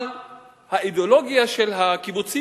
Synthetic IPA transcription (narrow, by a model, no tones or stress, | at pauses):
l | haid̪eolo̞ɡiaʃelɦakibut͡si